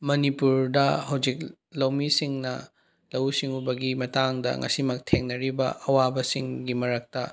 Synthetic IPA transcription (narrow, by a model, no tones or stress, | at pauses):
mɐnipuɾdɐhɐwd͡ʒik̚ | lɐwmisiŋnɐ̰ | lɐwsiŋubɐɡimɐtaŋdɐ̰ŋɐ̰simɐk̚tʰeŋnɐɾibɐ̰ʔɐwabɐsiŋɡimɐɾɐk̚tɐ